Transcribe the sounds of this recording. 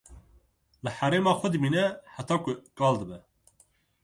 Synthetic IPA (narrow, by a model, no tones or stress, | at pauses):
lɨħæɾeːmɑːxʷɐd̪ɨmiːnɛħæt̪ʰɑːkʊkʼɑːld̪ɨbɛ